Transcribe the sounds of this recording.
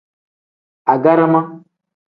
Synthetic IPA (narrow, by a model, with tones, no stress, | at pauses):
a˨ɡa˦ɾa˦ma˦